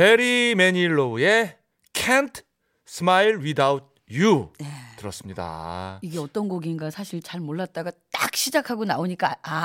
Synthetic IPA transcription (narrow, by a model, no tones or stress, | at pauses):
peɾimeɲiɭːoue̞ | kʰentʰ | sʰɯmailwidaut̚ | junetɯɾʌs͈ɯmɲida̰iɡe̞ʌt͈ʌnɡoɡinɡasʰaɕʰiɭt͡ɕaɭmoɭːat̚t͈aɡat͈a̰k̚ɕʰid͡ʑakʰaɡonaoɲik͈aa